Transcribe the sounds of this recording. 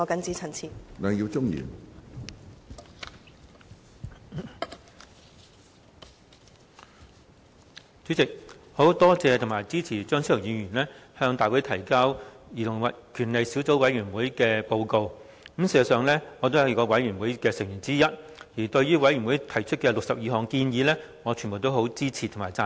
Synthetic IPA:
ɔ˨˧kɐ˨˥nt͡siː˨˥t͡sʰɐ˨˩nt͡sʰiː˨˩na˨˩ŋji˧wt͡sʊ˥ŋjḭː˨˩n | t͡sy˨˥t͡sɪ˨k̚ho˨˥wt̪ɔː˥t͡sɛː˧t̪ʰʊ˨˩ŋmaː˨˩jt͡siː˥t͡sʰiː˨˩t͡ʃœː˥ŋsi˥tʰːwjiː˨˧jyː˨˩nlɛː˥hœː˧ŋt̪aː˨jwu˨˥t̪ʰɐ˨˩jkaː˥wjiː˨˩t̪ʰʊ˨˩ŋwɐ˨kʰyː˨˩nle˨jsiː˨˥wt͡so˨˥wwɐ˨˥jyː˨˩nwuː˨˥jkɛː˧po˧wko˧w̩˨˥ | msi˨˩sɐ˨˩sœː˨ŋlɛː˥ŋɔː˨˧t̪o˥wjɐ˨˧wkɔː˧wɐ˨˥jɥyː˨˩nwuː˨˥jkɛː˧sɪ˨˩ŋjyː˨˩nt͡siː˥jɐ˥t̚ | jiː˨˩t̪ɵ˧ɥyː˥wɐ˨˥jy˨˩wu˨˥jt̪ʰɐ˨˩jt͡ʃʰɵ˥t̚kɛː˧lʊ˨k̚sɐ˨p̚jiː˨˧hɔː˨ŋkiː˧njiː˨˧lɛː˥ | ŋɔː˨˧t͡ʃʰy˨˩mbo˨wt̪o˥who˨˥wt͡siː˥t͡sʰiː˨˩t̪ʰʊ˨˩maː˨˩jt͡saː˧

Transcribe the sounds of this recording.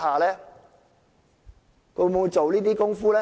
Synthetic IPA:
haː˨lɛː˦˥ | kʰɵ˧mo˨˧wu˧jt͡ʃo˨wliː˥t̪̬iː˥kʊ˥ŋfuː˥lɛː˦˥

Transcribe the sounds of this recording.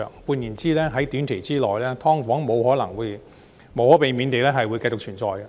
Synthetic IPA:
ŋpuː˧njiː˨˩nt͡siː˥lɛː˥ɦɐ˨˥jt̪yː˨˥nt̪ʰe˨˩jt͡siː˥lɔː˨˩jlɛː˥t̪ʰɔː˥ŋfɔː˨˥ŋmo˨˧whɔː˨˥nlɐ˨˩ŋwuː˨˧j | mo˨˧whɔː˨˥pe˨˧jmiː˨˧nt̪e˨jlɛː˥ɦɐ˨jwu˨˧jkɐ˧jt͡sʊ˨k̚t͡ʃʰyː˨˩nt͡sɔ̰ː˨˧jɐ˧

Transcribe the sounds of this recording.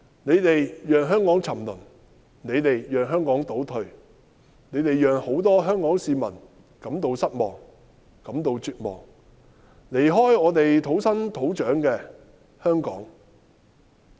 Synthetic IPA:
ne˨˧jt̪e˨jjœː˨ŋɦœː˥ŋkɔː˨˥ŋt͡sʰɐ˨˩mlɵ̰˨˩n | ne˨˧jt̪e˨jjœː˨ŋɦœː˥ŋkɔː˨˥ŋt̪o˨˥wt̪ʰɵ˨˧ɥ | ne˨˧jt̪e˨jjœː˨ŋho˨˥wt̪ɔː˥ɦœː˥ŋkɔː˨˥ŋsiː˨˧mɐ̰˨˩n | kɐ˨˧˥mt̪o˧wsɐ˥t̚mɔː˨˩ŋ | kɐ˨˥mt̪o˧wt͡ʃyː˨t̚mɔ̰ː˨˩ŋ | le˨˩jɦɔː˥jɔː˨˧t̪e˨jt̪ʰo˨˥wsɐ˥nt̪ʰo˨˥wt͡ʃœː˨˥ŋkɛː˧ | hœː˥ŋkɔː˨˥ŋ

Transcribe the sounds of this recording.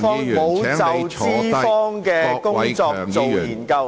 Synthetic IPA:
fɔː˥ŋmo˨˧wt͡st͡sɐ˨wt͡siː˧˥fɔː˥ŋkɛː˧kʊ˥ŋt͡sɔː˧kt͡so˨wjiː˨˩nkɐ˧w

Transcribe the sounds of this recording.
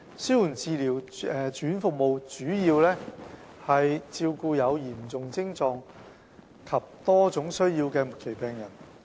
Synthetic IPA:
si˥wju˨˩nt͡siː˨˧liː˨˩wɛː˨t͡ʃyː˨˥nfʊ˨k̚mo˨wt͡ʃyː˨˥jiː˧wlɛː˥ | hɐ˨jt͡siː˧wkuː˧jɐ˨˧wjiː˨˩mt͡sʊ˨ŋt͡sɪ˥ŋt͡sɔː˧ŋ | kʰɐ˨p̚t̪ɔː˥t͡sʊ˨˥ŋsɵ˥ɥjiː˧wkɛː˧mʊ˨kʰːe˨˩jpɛː˨ŋjɐ˨˩n

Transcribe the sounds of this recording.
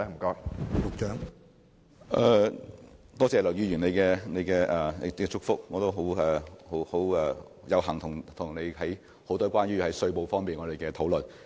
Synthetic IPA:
a˨m̩˨˩kɔː˧˥kkʊ˨˧k̚t͡ʃœː˨˥ŋ | ʔɛː˧ | t̪ɔː˥t͡sɛː˨˩lɐ˨˩wjiː˨˧jyː˨˩ne˨˧jkɛː˧ne˨˧jkɛː˧ʔɛː˨˧ɛ˧t͡ʃʊ˥k̚fʊ˥k̚ŋɔː˨˧t̪o˥wɦo˨˥wɛ˨ho˨˧˥who˨˧˥wɛ˧ | jɐ˨˧wɦɐ˨˩ŋt̪ʰʊ˨˩ŋt̪ʰʊ˨˩ŋne˨˧jhɐ˨˥j | ho˨˥wt̪ɔː˥kʷaː˥nɥyː˥hɐ˨˥jsɵ˧ɥpo˨˧wfɔː˥ŋmiː˨nŋɔː˨˧d̪e˨˩kɛː˧t̪ʰo˨˥wlɵ˨n

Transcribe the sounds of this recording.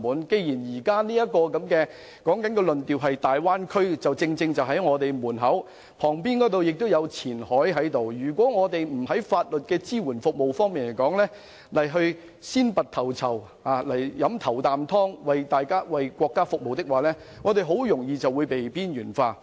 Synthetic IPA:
muː˨˥nke˧jjiː˨˩njiː˨˩kaː˥niː˥jɐ˥t̚kɔː˧kɐ˨˧˥mkɛː˧ | kɔː˨˥ŋkɐ˨˥nkɛ˧lɵ˨nt̪iː˨˩wɦɐ˨jt̪aː˨˩jwaː˥nkʰɵ˥ɥt͡sɐ˨wt͡sɪ˧ŋt͡sɪ˧ŋt͡sɐ˨wɦɐ˨˥jŋɔː˨˧t̪e˨jmuː˨˩nɦɐ˨˥w | pʰɔː˨˩ŋpiː˥nkɔː˨˥t̪o˨wjɪ˨k̚t̪o˥wjɐ˨˧wt͡sʰiː˨˩nhɔː˨˥jɦɐ˨˥jt̪o˨wjyː˨˩kʷwʷɔː˨˥ŋɔː˨˧t̪e˨jm̩˨˩hɐ˨˥jfaː˧t̚lɵ˨t̚kɛː˧t͡siː˥wuː˨˩nfʊ˨k̚mo˨˩wfɔː˥ŋmiː˨˩nle˨˩jkɔː˨˥ŋlɛː˥ | lɐ˨˩jɦɵ˧ɥ | siː˥npɐ˨t̪ʰɐ˨˩wt͡sʰɐ˨˩w | aː˨˧lɐ˨˩jːɐ˨˥mt̪ʰɐ˨˩wt̪aː˨˩mt̪ʰɔː˥ŋwɐ˨jt̪aː˨jkaː˥wɐ˨jkʷɔː˧kːaː˥fʊ˨k̚mo˨wt̪ɪ˥k̚waː˨˩lɛː˥ | ŋɔː˨˧t̪̬e˨˧jɦo˨˥wjʊ˨˩ŋjiː˧t͡sɐ˨wːuː˨˧jpe˨jpiː˥njyː˨˩nfaː˧

